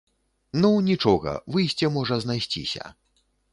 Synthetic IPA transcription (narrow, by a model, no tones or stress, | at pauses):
nɔwnʲit͡ʂɔɣɐ̰vɨjsʲt͡sʲɛmɔʐɐznajsʲt͡sʲḭsʲɐ̰